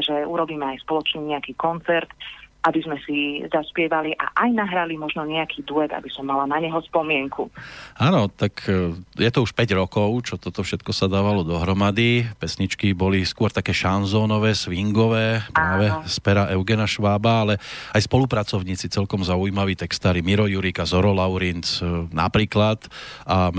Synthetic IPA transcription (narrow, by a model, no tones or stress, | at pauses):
ʒɛuɾɔbiːmɛajspɔlɔt͡ʃɲɛɲɛakiːkɔnt͡sɛɾt̪ʔabizmɛsizaspɪɛʋaliʔa̰ʔajnaɦɾalimɔʒnɔɲɛakʰiːd̪uɛɡa̰bisɔmːalanaɲɛɦɔspɔmɪɛŋkuaːnɔt̪akjɛt̪ɔuʃpɛɟɾɔkɔʊt͡ʃɔt̪ɔt̪ɔfʃɛt̪kɔsad̪aːʋalɔd̪ɔɦɾɔmad̪ipɛsɲit͡ʃkibɔliskʊɔɾt̪akɛːʃanzɔːnɔʋɛːsʋiŋɡɔʋɛːpɾaːaːʋɛspɛɾaʔɛʊɡɛnaʃʋaːbaalɛajspɔlupɾat͡sɔʊɲiːt͡sit͡sɛlkɔmzauimaʋiːt̪ɛkst̪aːɾimiɾɔjuɾikazɔɾɔlaʊɾint͡sna̰pɾiːklat̪a